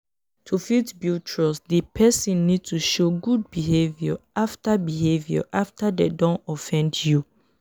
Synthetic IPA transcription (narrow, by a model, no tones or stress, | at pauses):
tʰufitbjut͡ʃɹɔsdipʰɛsĩnːid̚tuʃoɡud̚biɦevjɔaftabiɦevjɔ̰ʔaftadedɔ̃nɔfɛ̃ndju